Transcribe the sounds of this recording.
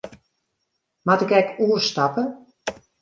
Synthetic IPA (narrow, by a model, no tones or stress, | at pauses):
matɪkɛkuərstapə